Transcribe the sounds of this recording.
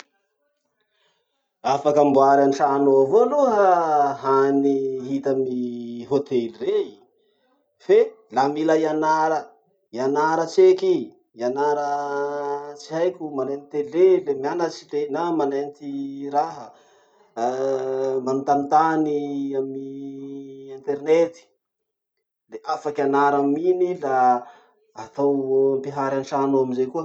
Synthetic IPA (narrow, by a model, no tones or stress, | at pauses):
afakambuaɾaniʈ͡ʂanoavoluɦəɦaniɦit̪əmiɦot̪elire | fe | lamilaianaɾə | ianaɾət͡seki | ianaɾə | t͡siajkʲumanenit̪elelemianat͡ʃilenamanent̪iɾaɦə | mbanut̪anit̪aniami | ɛnt̪ernet̪i̥ | leʔafakʲanaɾamminilaː | t̪awmpiɦaɾanʈ͡ʂanoamizejkuə